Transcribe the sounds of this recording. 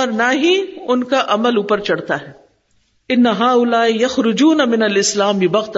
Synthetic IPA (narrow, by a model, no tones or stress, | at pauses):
ɔːɾnaɦiʊnkaʔɐməluːpəɾt͡ʃɐɽt̪aɦɛː | ɪnːɐɦaːʊlaːijɐxɾʊd͡ʒuːnamɪnɐlɪslaːmibɐɣt̪